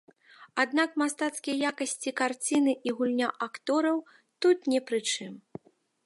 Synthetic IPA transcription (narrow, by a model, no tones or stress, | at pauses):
ad̪nakmast̪at̪skʲijɐjakɐsʲt͡sʲikart͡sʲinɨʔiɣulʲnʲaʔakt̪ɔɾɐw | t̪ut̪nʲɛpɾɨt͡ʂɨm